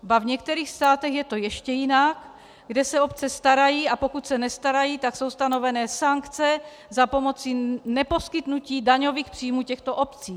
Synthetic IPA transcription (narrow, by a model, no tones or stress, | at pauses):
bavɲɛkt̪ɛɾiːxst̪aːt̪ɛxjɛt̪ojɛʃcɛjɪnak | ɡdɛsɛopt͡sɛst̪aɾajiːapo̞kut̪sɛnɛst̪aɾajiːt̪akso̞wst̪ano̞vɛnɛːsaŋkt͡sɛ | zapo̞mo̞t͡sinɛpo̞skɪt̪nuciːdaɲoviːxpr̝̥iːmuːcɛxt̪oʔopt͡siː